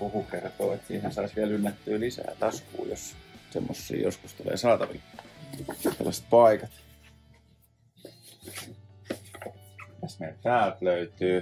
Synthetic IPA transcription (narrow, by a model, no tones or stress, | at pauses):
uhukertoːet̪sḭːhænsɑisʋiælylːæt̪ːyːlisæ̰ːt̪ɑskṵːjossemːosːḭːjosku̥st̪ulḛːsɑːt̪ɑʋḭk | sḛlːɑse̥t̪̚pɑikɑt̪ | æsmeilp̪æːlt̪løyt̪yː